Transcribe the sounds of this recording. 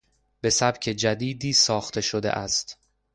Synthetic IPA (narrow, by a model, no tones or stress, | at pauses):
b̥e̞sæb̥cʰe̞d͡ʒæd̪iːd̪iːsɒːxt̪ʰe̞ʃod̪ḛʔæst̪